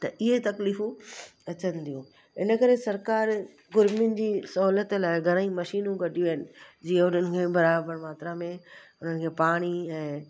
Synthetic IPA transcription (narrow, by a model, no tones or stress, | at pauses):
t̪ɐʔɪɦet̪ɐkliːfũɐt͡ɕən̆d̪ijũ | ɪnə̆kɐɾesɐɾkaːɾ | ɡʊɾmɪʊn̆d͡ʑiːsɐɦlət̪laːɪɡʱɐɾ̃aːĩmɐʃiːnũɡɐɖʱijuɦɪnɪ̆d͡ʑiːə̃ʊn̤ənɪ̆kʰeːbɐɾaːbəɾmaːt̪ɾamẽʊn̤ənɪ̆kʰeːpaːɽ̃iɛ̃ː